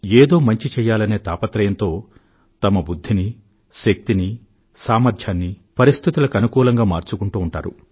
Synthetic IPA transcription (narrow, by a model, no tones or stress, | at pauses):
eːd̪o̞ːmɐɲt͡ʃit͡ʃɛːjːaːlɐne̞ːt̪aːpɐt̪ɾɐjɐnt̪o̞ː | t̪ɐmɐbud̪ʱːini | ʃɐk̚t̪ini | saːmɐɾd̪ʰʱjaːnːipɐɾist̪ʰit̪ulɐkɐnukuːlɐŋɡaːmaːɾt͡ʃukuɳʈuːɳʈa̰ːɾṵ